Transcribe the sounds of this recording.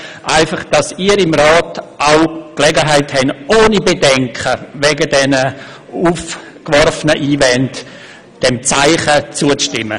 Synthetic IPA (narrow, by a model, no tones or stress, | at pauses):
ʔaɪfɑχd̥ɑsiːəɾɪmɾaːtʔaʊklɛɡəɦaɪthɛnoːnibedɛŋkχəvɛɡədɛnə | uːf | kʋɔɾfənəʔiːvɛnt | d̥ɛmt͡saɪχət͡suət͡sʃtɪmːə